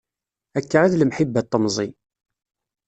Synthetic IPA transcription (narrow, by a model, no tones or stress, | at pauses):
ækːaʕaðləmħibːæt̪ˤːəmzˤi